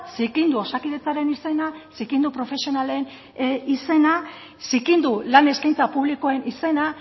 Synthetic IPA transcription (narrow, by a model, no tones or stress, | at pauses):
sikind̪uo̞sakiðe̞t͡saɾe̞nise̞nasikind̪upɾo̞fe̞sio̞nale̞n | ise̞na | sikind̪ulane̞skajnt͡sapuβlikoe̞nise̞na